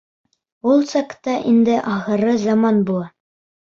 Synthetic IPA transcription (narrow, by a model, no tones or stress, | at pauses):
ulˠsɑkt̪ɑʔind̪ɘʔɑχɤ̆ɾɤzɑmɑnbulˠɑ